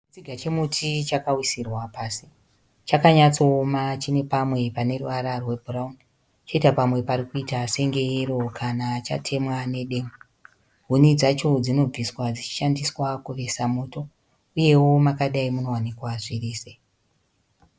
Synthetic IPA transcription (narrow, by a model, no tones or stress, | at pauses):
it͡siɡʱat͡ʃe̞mutʰit͡ʃakawisirwapaːsi̥ | t͡ʃakaɲat͡so̞ːmat͡ʃine̞pamwe̞pane̞ruʋaɾarwe̞bʱurauni | t͡ʃo̞itapamwe̞paɾikuitase̞ŋɡe̞ero̞kʰanat͡ʃa̰tʰe̞mwane̞ɗe̞ːmu | ɦunid͡zat͡ʃo̞d͡zino̞b͡viswad͡zit͡ʃi̥ʃandiswakuʋe̞samuːto̞ | uje̞wo̞makaɗaimuno̞wanikwaʐiriːse